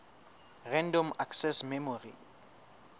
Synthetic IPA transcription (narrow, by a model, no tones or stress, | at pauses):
rɛ̃ndɔmaksɛsmɛmorḭ